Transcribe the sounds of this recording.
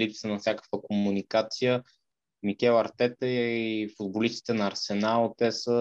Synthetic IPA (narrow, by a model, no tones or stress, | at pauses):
lipsənɐfsʲjakə̥kvəkomunikat̪sijə | mikɛlˠɐɾt̪ɛt̪ɛifʊd̪̚bolist̪i̥t̪ɛnɐːɾsɛnalˠt̪ɛsə